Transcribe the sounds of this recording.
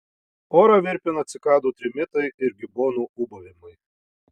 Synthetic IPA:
oːɾɐʋʲɪɾʲpʲɪnɐt̪ʲsʲɪkɑːd̪uːt̪ʲɾʲɪmʲɪt̪ɐɪɪɾɡʲɪboːnuːʊbɐʋʲɪmɐɪ

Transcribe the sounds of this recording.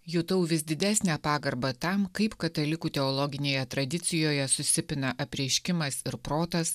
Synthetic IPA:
jʊt̪ɐʊʋʲɪsd̪ʲɪd̪ʲæːsʲnʲæːpɑːɡɐɾbɐt̪ɐmkɐɪpkɐt̪ɐlʲɪkuːt̪ʲɛɔlˠɔɡʲɪnʲeːjɛt̪ɾɐd̪ʲɪt̪sʲɪjoːjɛsʊsʲɪpʲɪnɐʔɐpʲɾʲiɛʃʲkʲɪmɐsɪɾpɾoːt̪ɐs

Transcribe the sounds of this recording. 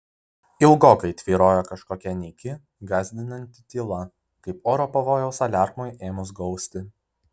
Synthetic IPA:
ɪlˠɡoːkɐɪt̪ʲʋʲiːɾoːjokɐʃkoːkʲɛnʲɛːkʲɪ | ɡɑːzʲd̪ʲɪnɐnʲt̪ʲɪt̪ʲiːlˠɐ | kɐɪpoːɾopɐʋoːjɛʊsɐlʲæˑɾmoːjʔeːmʊsɡɒʊsʲt̪ʲɪ

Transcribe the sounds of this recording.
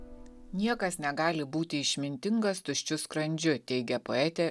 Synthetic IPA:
nʲiɛkɐsnʲɛɡɑːlʲɪbuːt̪ʲɪɪʃʲmʲɪnʲt̪ʲɪŋɡɐst̪ʊʃʲt͡ʃʲʊskɾɐnʲd͡ʒʲʊt̪ʲɛɪɡʲɛpoɛt̪ʲɛ

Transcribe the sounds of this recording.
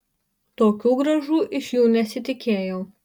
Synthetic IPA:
t̪oːkʲuːɡɾɐʒuːʔɪʃjuːnʲɛsʲɪt̪ʲɪkʲeːjɛʊ

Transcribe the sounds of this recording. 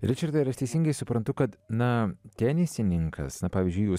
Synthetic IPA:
ɾʲɪt͡ʃɐɾd̪ɐɪɾɐʃt̪ʲɛɪsʲɪːŋɡɐɪsʊpɾɐnt̪ʊkɐt̪nɐt̪ʲæːnʲɪsʲɪnʲɪŋkʰɐ̰snɐpɑːʋʲiːzʲd͡ʒʲʊɪjuː

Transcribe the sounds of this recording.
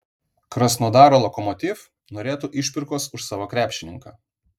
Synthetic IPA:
kɾɐsnoːd̪ɑːɾoːlˠɔkɔmɔt̪ʲɪf | noːɾʲeːt̪uːʔɪʃʲpʲɪɾkoːsʊʃsɑːʋokɾʲæːpʲʃʲɪnʲɪŋkɑː

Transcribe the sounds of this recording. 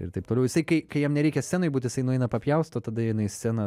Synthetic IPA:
ɪ̰ɾt̪ɐɪp̚t̪oːlʲɛʊjɪsɐɪkɐɪkɐɪjɛmnʲɛɾʲɛɪkʲɛsʲæːnoɪbuːt̪ʲjɪsɐɪnʊɛɪnɐpɐpʲjɛʊst̪oːt̪ɐd̪ɐjɪnɐɪsʲæːnɐ

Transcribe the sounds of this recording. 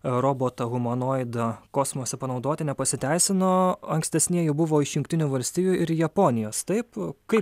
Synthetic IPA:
ɾoːboːt̪ɐɣʊmɐnoːɪd̪ɐkoːsmoːsʲɛpɐnɒʊd̪oːt̪ʲɪnʲɛpɐsʲɪt̪ʲɛɪsʲɪnoːɐŋksʲt̪ʲɛsʲnʲiɛjɛbʊʋoːɪʃjʊŋkt̪ʲɪnʲuːʋɐlʲsʲt̪ʲiːjuɪɾjɛpoːnʲɪjoːst̪ɐɪpkɐɪ

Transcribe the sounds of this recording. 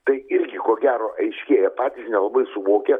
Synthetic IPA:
t̪ɐɪɪɾʲɡʲɪkoːɡʲæːɾoːʔɐɪʃʲkʲeːjɛpɑːt̪ʲiːsnʲɛlˠɐbɐɪsʊʋoːkʲɛ

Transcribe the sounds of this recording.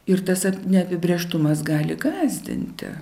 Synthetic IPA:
ɪɾt̪ɐsɐnʲɛɐpʲɪbʲɾʲeːʃt̪ʊmɐsɡɑːlʲɪɡɑːzʲd̪ʲɪ̰nʲt̪ʲɪ̰

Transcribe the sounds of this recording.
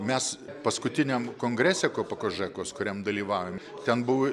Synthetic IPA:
mʲɛspɐskʊt̪ʲɪnʲɛmkoːŋɡɾʲæsʲekoːpɐkoʒɛkoːskʊɾʲɛmd̪ɐlʲiːʋɑːʋʲom | t̪ʲɛnbʊʋo

